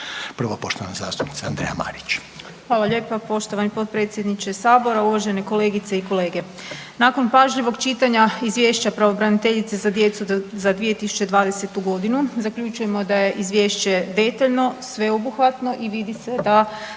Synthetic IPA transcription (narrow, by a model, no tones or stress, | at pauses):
pr̩ʋopo̞ʃt̪oʋanaza̰ːst̪u̥pnit̪seand̪ɾeja̰ma̰ːɾit͡ɕ | xʋaːlˠaʎe̞ːpapo̞ʃt̪oʋanipo̞t̪̚pɾet̪sʲje̞d̪nit͡ɕe̞saːbo̞ɾauʋaʒe̞ne̞ko̞le̞ːɡit̪se̞iko̞le̞ːɡe̞ | nako̞npaʒʎiʋo̞ɡt͡ʃit̪aɲaizʋje̞ʃt͡ɕapɾaʋobɾanit̪eʎit̪sezad̪je̞t̪suzad̪ʋije̞t̪isu̥t͡ɕe̞d̪ʋaːd̪ese̞t̪uɡo̞d̪inuzakʎut͡ʃuje̞mo̞d̪aje̞ʔizʋje̞ːʃt͡ɕe̞d̪e̞t̪aʎno̞sʋe̞obuxʋat̪no̞ʔiʋid̪ise̞d̪a